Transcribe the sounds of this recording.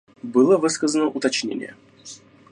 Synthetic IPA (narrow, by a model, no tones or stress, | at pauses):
bɨlˠəvɨskəzənəʔʊt̪ɐt͡ɕnʲḛnʲɪ̰jə̰